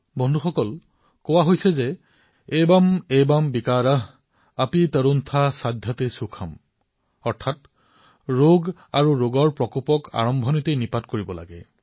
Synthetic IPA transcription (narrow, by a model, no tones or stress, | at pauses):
bɔndʱuxɔkɔl | kɔwaɦojsɛzɛ | ejbamejbambikaɹaɦ | apitəɹuntʰasadʱjɔtesukʰam | ɔɹtʰat | ɹoɡ | aɹuɹoɡɔɹpɹɔkupɔka̰ɹɔmbʱɔnitejnipatkoɹibɔla̰ɡɛ̰